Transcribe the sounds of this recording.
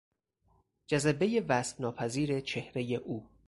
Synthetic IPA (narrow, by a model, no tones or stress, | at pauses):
d͡ʒæzæbejevæːst̪nɒːpʰæziːɾe̞t͡ʃʰe̞hɾe̞jeʔuː